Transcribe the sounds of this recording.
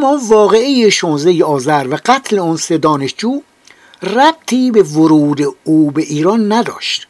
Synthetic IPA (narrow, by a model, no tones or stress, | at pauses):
mɒːvɒːɣeejeʃonzejeɒːzæɾvæɡæt̪ʰle̞ɔnsed̪ɒːneʃd͡ʒuː | ræb̥̚t̪ʰiːbevoɾuːd̪euːbeʔiːɾɒːnːæd̪ɒ̰ːʃt̪